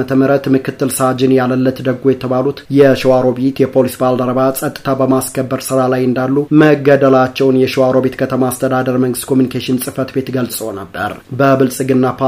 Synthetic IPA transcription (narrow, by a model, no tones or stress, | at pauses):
ət̪ʰəməɾət̪mɨkɨt̪ʰːɨlsad͡ʒɪnjaləlːət̪d̪əɡo̞jɛt̪ʰəβalut̪jɛʃiwaɾo̞bet̪jɛpʰo̞lisbald̪əɾəβasʼət̪ʼːɨ̥t̪ʰabəmaskʰəbːəɾsɨɾalajɨnd̪alːuməɡːəd̪əlat͡ʃːɛwnjɛʃiwaɾo̞bet̪kʰət̪ʰəmaast̪ʰəd̪ad̪əɾməŋɡɨst̪kʰo̞mjunikʰeʃɪnsʼɨfət̪be̞t̪ɡəlsʼonəbːə̰ɾbəbɨlsʼɨɡɨnːapʰa